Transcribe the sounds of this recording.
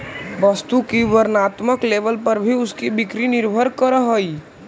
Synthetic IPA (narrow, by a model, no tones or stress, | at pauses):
ʋəst̪ukiʋəɾnat̪məkleʋəlpəɾbʱiʊskibikɾiniɾbʱəɾkəɾəɦəi